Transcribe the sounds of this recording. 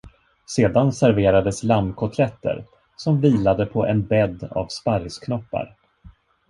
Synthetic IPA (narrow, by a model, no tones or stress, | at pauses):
seːd̪ansæɾveːɾad̪əslamkʰɔt̪ʰlɛt̪ːə̰ɾ | sɔmviːlad̪əpʰɔʔɛnbɛd̪ːa̰vspaɾskʰnɔpːa̰ɾ